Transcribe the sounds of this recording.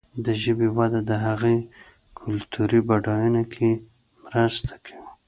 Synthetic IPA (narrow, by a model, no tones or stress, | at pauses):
d̪əʒəbiwad̪ad̪əɦaɣe | kʰʊlt̪ʰuɾibaɖɑjunakʰe | mɾəst̪ʰḁkʰawi